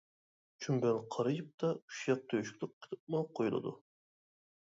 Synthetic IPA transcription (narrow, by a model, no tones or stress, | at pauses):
t͡ʃʰymbɛlqʰɑɾɨjɨp̚t̪ɑy̥ʃjɑq̚t̪ʰøjʃkʲlɪk̚qʰːə̥t̪ʰɨp̪̚mɑqʰːojulˠɨ̰d̪ṵ